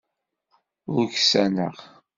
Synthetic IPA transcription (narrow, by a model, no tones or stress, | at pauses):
ʊɾçsænə̰ʁ